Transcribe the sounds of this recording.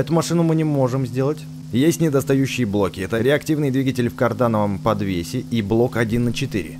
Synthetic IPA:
ɛt̪ʊmɐʂɨnʊmɨnʲɪmo̞ʐɨmzʲdʲe̞lˠətʲ | jesʲtʲnʲɪd̪əst̪ɐjʉɕːɪjəblˠo̞kʲɪɛt̪əɾʲɪɐktʲivnɨjəd̪vʲiɡətʲɪlʲfkɐrd̪anəvəmpɐd̪vʲesʲɪiblˠo̞kɐdʲinːət͡ɕɪt̪ɨ̰ɾʲɪ̰

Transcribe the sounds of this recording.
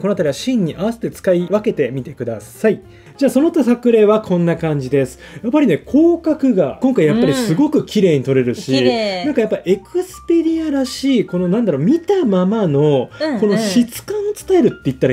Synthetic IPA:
kooat̪aɾiβaɕĩɲ̟ːiʔaβase̞̥t̪ːe̞t͡sɨ̥kaiβake̞t̪e̞mʲit̪e̞kɯ̟d̪asai | d͡ʑaːso̞no̞t̪ːasakɯ̟ɾe̞ːβakʰõ̞nːakãɲ̟d͡ʑid̪e̞sɨ̥japːaɾʲine̞kʰo̞ːkakɯ̟ɡakõŋkaijapːaɾʲisɨɡo̞kɯ̟kʲiɾe̞ːɲ̟it̪o̞ɾe̞ɾɯ̟ɕinãŋkajapːaiʔekɯ̟sɨ̥pe̞ɾʲiaɾaɕiːko̞no̞nãnd̪aɾo̞ːmʲit̪amamano̞ko̞no̞ɕit͡sɨ̥kãɰ̃ot͡sɨ̥t̪ae̞ɾɯ̟t̪ːe̞it̪ːaɾ

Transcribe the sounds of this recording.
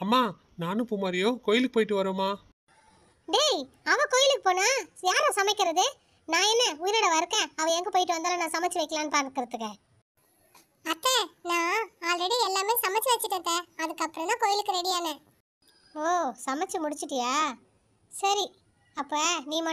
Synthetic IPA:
aːmːaː | naːnɯpʊmaːɾɪjõːkoːjɪlɯkːɯpoːjɪʈːɯʋɐɾoːmaː | d̪eːj | ɐʋɐ̃koːjɪlɯkːɯ̥poːnaːjaːɾãːsɐmɐɪkːɪɾɐðɯ | nãːɛnːɐʊjɪɾɐɽɐʋɐɾɯkːɛ̃ɐʋɐ̃ɛŋɡɐpoːjɪʈːɯʋɐnd̪aːlɐ̃nãːsɐmɐt͡ʃːɯʋɐɪkːɐlaːnɯpaːɾkːɪɾɐðɯkːɐ | ɐt̪ːẽnãːaːlɾɛɽiɛlːaːmeːsɐmɐt͡ʃːɯʋɐt͡ʃːɪʈːɯt̪ːẽːɐðɯkːɐpːɯɾɐ̃nãːkoːjɪlɯkːɯɾɛɽɪjaːnɛ | oːsɐmɐt͡ʃːɯmʊɽɪt͡ʃːɯʈːɯjaː | sɐɾi | ɐpːɐniːmɐ

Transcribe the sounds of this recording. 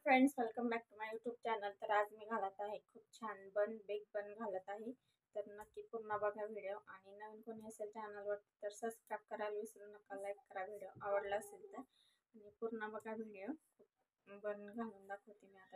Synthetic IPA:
fɾẽɳɖsʋelkəmbæk̚ʈumajjuʈjuːb̚t͡ɕɛnəlt̪əɾad͡zmiːɡʱalət̪aɦekʰuːb̚t͡ɕʰanbənbeɡ̚bənɡʱalət̪aɦe | t̪əɾnəkːiːpuɾɳabəɡʱaʋiɽjoʔaɽ̃inəʋiːnkon̤iəselt͡ɕɛnəlʋəɽt̪t̪əɾsəbskɾab̚kəɾalʋisɾuːnəkalaekkːəɾaɡʱiɽjoʔaʋəɽləəselt̪əɾ | aɽ̃ipuɾɳabəɡʱaʋiɽijokʰuːp̚ | bənɡʱaluːnd̪akʰot̪imiat̪a

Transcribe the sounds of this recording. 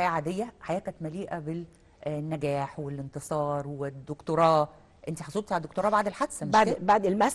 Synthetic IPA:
jæːʕaːd̪ejːæħajæːkæt̪mæliːʔæbel | nːæɡæːħwelent̪esˤɑːɾˤwed̪ːokt̪oɾˤɑː | ʔent̪iħɑsˤoːd̪̚t̪ʕald̪ːok̚t̪oɾɑːbaʕd̪elħad̪sæmbaʕd̪elmæs

